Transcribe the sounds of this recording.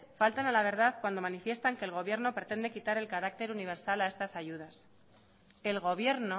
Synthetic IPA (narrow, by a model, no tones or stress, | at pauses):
falt̪analaβ̞e̞ɾð̞aðkwand̪o̞manifje̞st̪aŋke̞ːlɣ̞o̞β̞je̞ɾno̞pɾe̞t̪e̞nd̪e̞kit̪aɾe̞lkaɾak̚t̪e̞ɾuniβ̞e̞ɾsalae̞st̪asaʝuð̞as | e̞lɣo̞β̞je̞ɾno